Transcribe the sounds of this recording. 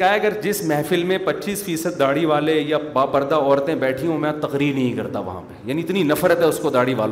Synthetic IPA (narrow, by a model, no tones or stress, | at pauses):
aːɦɛɐɡəɾd͡ʒɪsmɛːfɪlmẽpɐtːt͡ʃːiːsfiːsəd̪ːaːɽiʋaːlejabaːpɐɾd̪aɔːɾt̪ẽbɛːʈʰiõmɛ̃t̪ɐqɾiːɾnɐɦĩkɐɾt̪a̰ʋɐ̰ɦã̰pejaːniɪt̪ninɐfɾət̪ɦɛʊskod̪aːɽiʋa̰ːl